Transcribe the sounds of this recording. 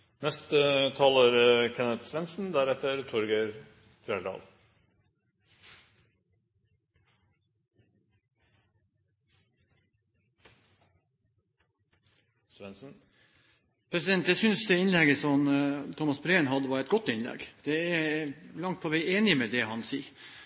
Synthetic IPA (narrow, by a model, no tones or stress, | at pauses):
nɛst̪ət̪ʰɑːləɾkʰɛnət̪sʋɛnsn̩d̪æɾɛt̪ːəɾt̪ʰɔɾɡeɾ | t̪ʰɾɛlɑ̰ːl | sʋɛnsn̩ | pʰɾɛsɪd̪ɛnt̪jæsʏnsd̪ɛɪnlɛɡəsɔmt̪ʰɔmɑsbɾeːnɦɑd̪əʋɑɾɛt̪ɡɔt̪ːɪnlɛ̰ɡd̪̥ɛælɑŋt̪̚pʰɔʋæɪeːnɪmɛd̪ɛɦɑnsiː